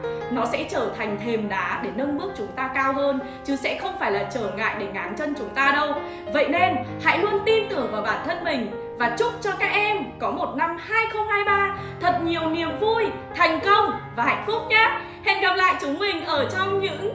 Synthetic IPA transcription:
nɔ˨˦sɛ̰˧˥t͡ɕəː˧˩t̪ʰa˨˩jŋ̟t̪ʰe˨˩mɗaː˨˦ɗe˧˩nə˧nɓɨ˦˥ək̚t͡ɕʊ˨˦ŋ͡mt̪aː˧kaː˧wɦəː˧n | t͡ɕɨ˨˦sɛ̰˧˥xə˧wŋ͡mfaː˧˩jlaː˨˩t͡ɕəː˧˩ŋa̰ː˧˨jɗe˧˩ŋaː˨˦nt͡ɕə˧nt͡ɕʊ˨˦ŋ͡mt̪aː˧ɗə˧w | və̰˧˨jne˧nha̰˧˥jlu˧ənt̪i˧nt̪ɨ˧˩əŋvaː˨˩wɓaː˧˩nt̪ʰə˧nmï˨˩ŋ̟ | vaː˨˩t͡ɕʊ˦˥k͡p̚t͡ɕɔ˧kaː˦˥k̚ʔɛ˧mkɔ˨˦mo˨˩t̚na˧mhaː˧jxə˧wŋ͡mhaː˧jɓaː˧ | t̪ʰə˨˩t̚ɲi˨˩əwni˨˩əmvu˧j | t̪ʰa˨˩jŋ̟kə˧wŋ͡mvaː˨˩a̰˧˨ŋ̟fʊ˦˥k͡p̚ɲaː˨˦˥ | he˧˥nɣa˨˩p̚la̰ː˧˨jt͡ɕɨ˨˦ŋŋ͡mmï˨˩ŋ̟ʔəː˧˩t͡ɕɔ˧wŋ͡mɲɨ̰˧˥ŋ

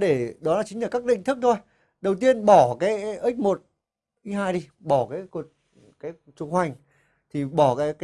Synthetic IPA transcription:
ɗe˧˩ɗɔ˨˦laː˨˩t͡ɕi̟˨˦laː˨˧˩kaː˦˥k̚ɗḭ̈˧˨ŋ̟t̪ʰɨ˦˥k̚t̪ʰo˧j | ɗə˨˩wt̪i˧ənɓɔ˧˩kaː˨˦jʔi˦˥k̟̚mo˨˩t̚ | ʔi˧˦ɦaː˧jɗi˧ɓɔ˧˩kaː˨˦jku˨˩t̚ | kaː˨˦j | t͡ɕʊ˧ŋ͡mhwa˨˩jŋ̟ | t̪ʰi˨˩ɓɔ˧˩kaː˨˦jkː

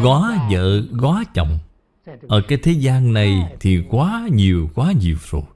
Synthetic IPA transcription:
ɣwaː˨˦zə̰ː˧˨ɣwaː˨˦t͡ɕɔ̰˧˨wŋ͡m | ʔəː˧˩kaː˨˦jt̪ʰe˨˦zaː˧nna˨˩jt̪ʰi˨˩kwaː˨˦ɲi˨˩əwkwaː˨˦ɲi˨˩əwzo˨˩j

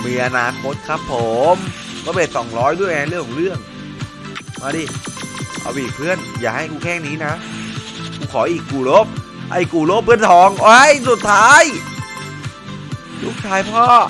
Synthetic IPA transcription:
miː˧ʔa˧naː˧kʰo˦˥t̪̚kʰɾa˦˥pʰːo˨˩mkɔ˧˦pe˨˩t̪̚sɔ˨˩ŋɾɔː˦˥jdu˥˩ə˧a˧˦ɾɯ˥˩əŋkʰɔ˨˦ɾɯ˥˩əŋ | maː˧˩diː˧˩ʔa̰˧wiː˨˩pʰɯ˦˥˩ənjaː˨˩k̚ɦa˥˩jkuː˧kʰɛː˥˩ŋniː˦˥na˦˥ | kuː˧kʰɔː˩˦ʔiː˨˩kːuː˨˩lo˦˥˩p̚ʔa̰˧˩jkuː˨˩lo˦˥p̚ʰːɯ˦˥˩ənt̪ʰɔː˨˩˦ŋwa˦˥jsu˨˩t̪ʰːaː˦˥j | lʰu˦˥˩k̚t̪ʰaː˧˥jpʰɔː˥˩

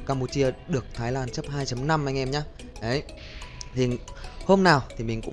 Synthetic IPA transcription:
kaː˧mpu˧˩t͡ɕi˧əɗɨ˨˩ək̚t̪ʰaː˨˦jlaː˧˩nt͡ɕə˦˥p̚haː˧jt͡ɕə˨˦mna˧mʔa˧jŋ̟ʔɛ˧mɲaː˧ | ʔə˨˦j | t̪ʰi˨˩ho˧mnaː˨˩wt̪ʰi˨˩mï˨˩ŋ̟kʊ̰˧˥ŋ͡m

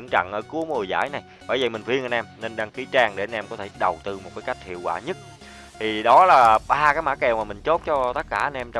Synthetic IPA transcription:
ŋt͡ɕa̰˧˨ŋʔəː˧˩ku˨˦əmo˨˩jza̰ː˧˥˩jna˨˩j | ɓa̰ː˧˩jvi˨˩mï˨˩ŋ̟fi˧ənʔa˧nʔɛ˧mne˧nɗaː˧ŋki˨˦t͡ɕaː˧ŋɗe˧˩ʔa˧nʔɛ˧mkɔ˨˦t̪ʰe˧˩ɗə˨˩wt̪ɨ˧mo˨˩t̚kaː˨˦ka˦˥jk̚hʰḭ˧˨əwkwaː˧˩ɲə˦˥t̚ | t̪ʰi˨˩ɗɔ˨˦laː˨˩ɓaː˧kaː˨˦jma̰ː˧˥kɛ˨˩wmaː˨˩mï˨˩ŋ̟t͡ɕo˦˥t̚t͡ɕɔ˧t̪ə˦˥t̚kaː˧˩ʔə˧nʔɛ˧mt͡ɕ

